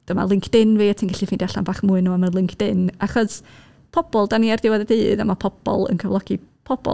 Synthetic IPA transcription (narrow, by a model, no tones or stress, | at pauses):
d̥əma̰lˠɪŋkʰd̥ɪnviːatʰinɡaɬifindjaɬa̰nbaːχmʊːɨnːuamənlɪŋkʰd̥ɪnaχɔs | pʰɔb̥ɔlˠdaniardɪwaðɛdeːða̰mapʰɔb̥ɔ̰lˠə̰nkʰəvlˠɔɡ̥ipʰɔb̥ɔ̰